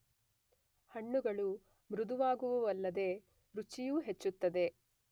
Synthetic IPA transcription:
hɐɳːuɡɐɭu | mɾud̪uʋaːɡuʋuʋɐlːɐd̪e̞ | ɾut͡ʃijuːɦe̞t͡ʃːut̪ːɐd̪e̞

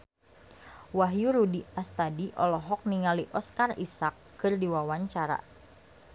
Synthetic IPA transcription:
waɦjuɾudiast̪adiʔɔlɔɦɔk̚niŋaliʔɔskarḭsakːɨrdiwawaɲt͡ʃaɾa̰

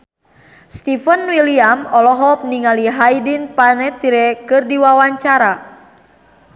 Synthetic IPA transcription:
st̪ifənwiliamɔlɔɦɔp̚niŋaliɦajdinpanɛt̪iɾɛkɨrdiwawaɲt͡ʃaɾa

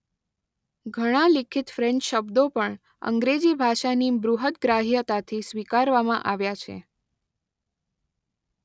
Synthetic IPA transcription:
ɡʱəɽ̃ãlikʰit̪fɾɛ̃ɲt͡ʃʃəbd̪opəɳ | ə̰ŋɡɾed͡ʒibʱaʃanibɾuɦət̪ɡɾaɦijət̪at̪ʰisʋikaɾʋamãʔaʋjat͡ʃʰḛ

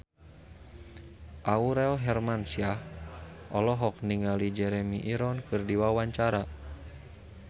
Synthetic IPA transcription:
ʔauɾɛlɦɛrmansia | ʔɔlɔɦɔk̚niŋalid͡ʒɛɾɛmiʔiɾɔnkɨrdiwawaɲt͡ʃaɾa

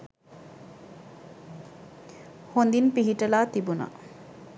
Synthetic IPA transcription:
hond̪inpiɦiʈəlaːt̪ibuna̰

